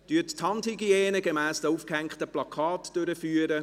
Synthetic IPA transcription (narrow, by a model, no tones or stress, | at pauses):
d̥yːttʰːɑnthiɡiɛːnəɡemɛːsd̥əufkhɛŋktəplɑkʰɑːtd̥øɾəfyːəɾə